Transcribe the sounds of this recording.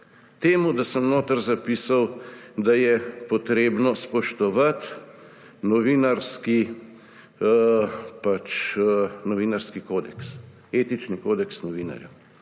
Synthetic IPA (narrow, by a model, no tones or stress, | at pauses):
t̪eːmud̪asəmnoːt̪əɾzapiːsawd̪ajɛpɔt̪ɾeːbnɔspɔʃt̪ɔʋat̪ | nɔʋiːnaɾski | pat͡ʃ | nɔʋiːnaɾskikoːd̪ɛks | eːt̪it͡ʃnikoːd̪ɛksnɔʋiːna̰ɾja̰